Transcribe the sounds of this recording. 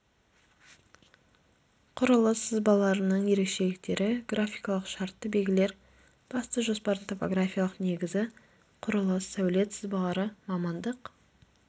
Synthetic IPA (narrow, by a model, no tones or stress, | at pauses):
qʰʊɾəlˠəsəzbɑlˠɑɾənəɴje̞ɾe̞kʃe̞lɪk̚t̪e̞ɾɪɡrafʲijkɑlˠəqʃɑɾt̪ːəbe̞lʲɡʲɪle̞ɾ | b̥ɑst̪əʒo̞spɑɾd̪ənt̪ʰo̞po̞ɡrafʲijalˠəqne̞ɡʲɪzɪ | qʰʊɾəlˠəsæwle̞t̪səzbɑlˠɑɾəmɑmɑnd̪əq